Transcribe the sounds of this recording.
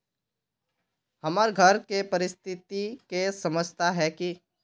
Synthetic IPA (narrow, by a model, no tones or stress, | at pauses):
hɐməɾɡʱəɾkepəɾɪst̪ʰɪt̪ikesɐməd͡ʒt̪aɦɛki